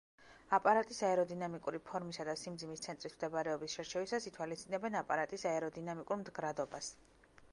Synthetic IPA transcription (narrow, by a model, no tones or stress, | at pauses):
apʼaɾat̪ʼisaɛɾɔd̪inamikʼuɾipʰɔɾmisad̪asimd̪zimist̪sʰɛnt̪ʼɾismd̪ɛbaɾɛɔbisʃɛɾt͡ʃʰɛvisasit̪ʰwalist̪ʼinɛbɛnapʼaɾat̪ʼisaɛɾɔd̪inamikʼuɾmd̪ɡɾad̪ɔbas